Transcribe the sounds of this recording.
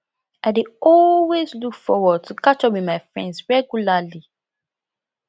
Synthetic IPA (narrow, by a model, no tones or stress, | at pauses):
aɪdeɔlwezlukfɔwɔd̚tʰukat͡ʃɔpwimaɪfɹɛ̰̃ndsɹɛɡjulali